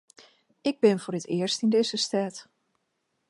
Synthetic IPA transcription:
ʔɪɡ̚bɪnvʊːrətɪəɹstindejzəstɛːt

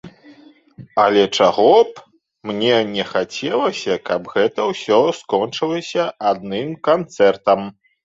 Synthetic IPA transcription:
ɐ̰lʲɛt͡ʂaɣɔp | mnʲɛnʲɛxat͡sʲɛlˠɐsʲɐkɐbɣɛt̪ɐwsʲɔskɔnt͡ʂɨlˠɐsʲɐʔad̪̚nɨmkant̪sɛrt̪ɐm

